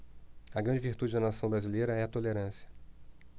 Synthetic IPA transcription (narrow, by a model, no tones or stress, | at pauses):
ɐɡɾɐ̃d͡ʒɪviɾt̪ud͡ʒɪd̪ɐnasɐ̃w̃bɾazilejɾɐɛɐt̪oleɾɐ̃sjɐ̥